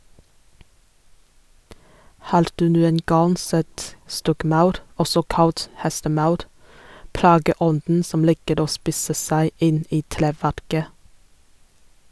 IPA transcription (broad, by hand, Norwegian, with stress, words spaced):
ˈhɑːɾ ˈdʉː ˈnuːən ˈɡɑŋ ˈsɛt ˈstɔkˌmɑʉɾ ˈɔsɔ ˈkɑlt ˈhɛstəˌmɑʉɾ ˈplɑːɡəˌɔndn̩ ˈsɔm ˈliːkəɾ ˈoː ˈspiːsə ˈsæɪ ˈɪn ˈiː ˈtɾeːˌʋæɾkə